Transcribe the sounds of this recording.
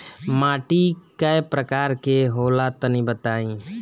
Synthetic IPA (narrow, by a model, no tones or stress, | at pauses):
maːʈikəepɾəkaːɾkeɦoːlat̪ənĩbət̪aːĩ